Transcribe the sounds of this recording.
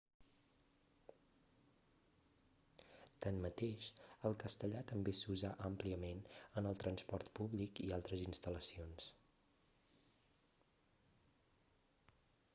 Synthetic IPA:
t̪ənmət̪eʃəlˠkəst̪əʎat̪əmbesuzaʔəmpliəmenənəlˠt̪ɾənspɔɾt̪puβlikialˠt̪ɾəzinst̪ələsions

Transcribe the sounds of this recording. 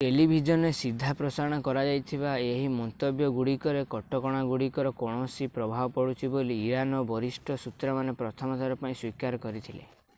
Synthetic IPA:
telibʱid͡ʒɔnesid̪ʱːapɾɔsaɾɔɽ̃ɔkɔɾad͡ʒajt̪ʰiβaeɦimɔnt̪objɔɡuɽikɔɾekɔʈɔkɔɽ̃aɡuɽikɔɾɔkɔɽ̃ɔsipɾɔbʱabɔpɔɽut͡ʃʰiboliːɾanɔbɔɾisʈʰɔsut̪ɾamanepɾɔt̪ʰɔmɔt̪ʰaɾɔpaĩswikaɾɔkɔɾit̪ʰilḛ

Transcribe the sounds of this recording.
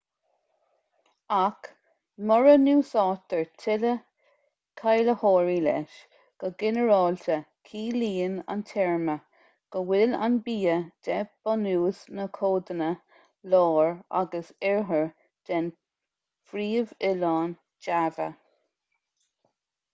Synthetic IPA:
ak | mɔɹənuːsɑːt̪əɹtʰɪlə | kʰajləhɔːɹiːlɛ̰ʃ | ɡ̥əɡɪnəɹɑːlt̪ə | kʰiːliːəna̰ntʰɛɹmə | ɡ̥əwɪla̰nbiːəd̥ɛb̥ɔnuːsnəkʰoːd̪ənə | lɔːɹa̰ɡəsɛɹɦəɹ | d̥ɛn | fɾiːvɪlɑːn | d͡ʒavə̰

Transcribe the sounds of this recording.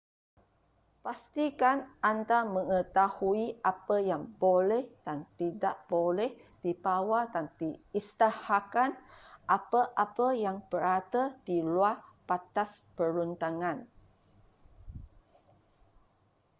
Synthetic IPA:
past̪ikanand̪aməŋət̪ahuiapəjaŋbolɛhd̥ant̪idaʔb̥olɛh | d̥ibawadant̪iist̪ahakanʔapəʔapəjaŋb̥əɾat̪əd̪̥iluapat̪aspəɾunt̪aŋãn

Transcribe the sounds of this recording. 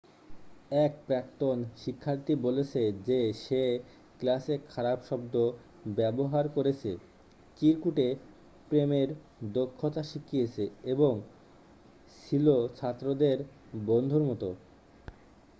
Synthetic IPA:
ɛkpɾɛkt̪onʃikʰːaɾt̪ibolet͡ɕʰed͡ʑeʃe | klasekʰaɾabʃɔbd̪o | bɛboɦaɾkoɾet͡ɕʰe | kiɾkuʈe | pɾemeɾ | d̪okʰːot̪aʃikʰːijet͡ɕʰeeboŋ | ʃilot͡ɕʰat̪ːɾod̪eɾ | bond̪ʱuɾmɔt̪o

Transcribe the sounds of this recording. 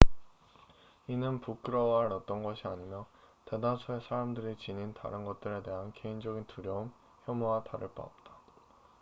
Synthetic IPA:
inɯnpuk͈ɯɾʌwaɾʌt̚t͈ʌnɡʌɕʰiaɲimjʌ | te̞dasʰoesʰaɾamdɯɾit͡ɕininta̰ɾɯnɡʌt̚t͈ɯɾe̞te̞ɦanke̞ind͡ʑʌɡintuɾjʌum | çjʌmuataɾɯɭp͈a̰ʌp̚t͈ḁ

